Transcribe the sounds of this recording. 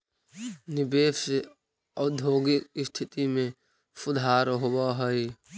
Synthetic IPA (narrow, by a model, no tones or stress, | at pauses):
nɪbeːʃe | əd̪ʱoːɡɪk̚ɪst̪ʰɪt̪imẽ | sʊd̪ʱaːɾɦowaɦəi